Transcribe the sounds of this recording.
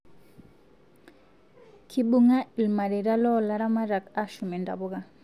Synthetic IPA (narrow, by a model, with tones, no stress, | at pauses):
kʰi˨ɓu˦ŋa˦i˨lma˨ɾe˨ɾa˦lɔ˦la˦ɾa˦ma˦ɾa˨ka˦ʃu˨mɛ˨nda̰˨bɔ˦ɡa˦